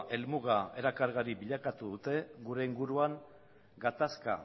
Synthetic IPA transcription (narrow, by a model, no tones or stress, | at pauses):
ʔe̞lmuɣae̞ɾakaɾɣaɾibiʎakat̪uðut̪e̞ɣuɾe̞iŋɡuɾuaŋ | ɡat̪aska̰